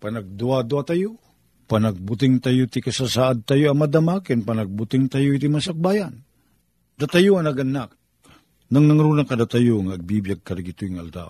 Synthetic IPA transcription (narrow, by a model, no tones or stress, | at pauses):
panaɡ̚d̪uad̪uat̪ajo | panaɡ̚bʊt̪̬ɪŋt̪ajot̪ikasasaʔad̪̚t̪ajoamad̪amakɪnpanaɡ̚bʊt̪ɪŋt̪ajoit̪imasak̚bajan | d̪at̪ajoanaɡanːak̚ | naŋnaŋɾunakad̪at̪ajoŋaɡ̚bibjaɡ̚kadaɡit̪oiŋa̰ld̪a̰w